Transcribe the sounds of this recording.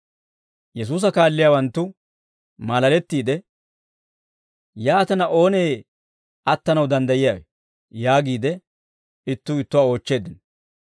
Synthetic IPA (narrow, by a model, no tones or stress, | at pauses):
jɛs̬uːs̬ɐkaːlːɪjaːwɐnt̪ːʊ | maːlɐlɛt̪ːiːd̪ɛ | jaːt̪ɐnɐʔo̞ːne̞ː | ɐt̪ːɐnɐwd̪ɐnd̪ɐjɪjaːwɛ | jaːɡiːd̪ɛ | ɪt̪ːʊɪt̪ːʊwaːo̞ːt͡ʃːe̞ːd̪ɪn